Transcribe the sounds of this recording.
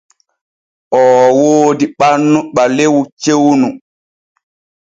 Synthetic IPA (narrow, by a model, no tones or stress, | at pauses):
ʔɔːwoːdiɓanːuɓalewut͡ʃewnu